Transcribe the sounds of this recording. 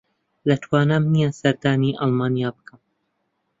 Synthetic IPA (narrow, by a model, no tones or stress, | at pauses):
lɐt̪ʰwaːnaːmnijasɐɾd̪aːniʔɑlˠmɑːnijaːbɨ̥kʰɐm